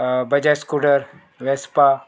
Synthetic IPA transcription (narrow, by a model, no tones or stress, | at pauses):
bɐd͡ʒaskuʈəɾ | ʋespa